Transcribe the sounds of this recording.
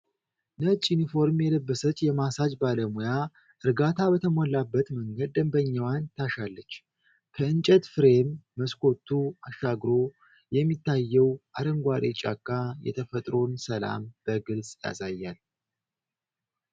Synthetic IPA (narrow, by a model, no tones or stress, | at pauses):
nət͡ʃʼjunifo̞ɾmjɛləbːəsət͡ʃʼːjɛmasad͡ʒbaləmoja | ʔɨɾɡat̪ʰabət̪ʰəmolːabːət̪məŋɡəd̪̚ːəmbəɲːawant̪ʰaʃalːət͡ʃː | kʰəɨnt͡ʃʼət̪fɨɾe̞mːəskʰo̞t̪ʰːuaʃːaɡɾo̞ | jɛmːit̪ʰːajːɛwʔaɾəŋɡʷaɾet͡ʃʼa̰kʼːajɛ̰t̪ʰəfət̪ʼɾo̞nsəla̰mb̥əɡɨlsʼja̰sajːal